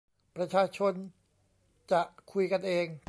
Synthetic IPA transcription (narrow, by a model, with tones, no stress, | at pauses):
pɾa˧t͡ɕʰaː˧t͡ɕʰo˧n | t͡ɕa˨˩ʔkʰu˧jka˧nʔeː˧ŋ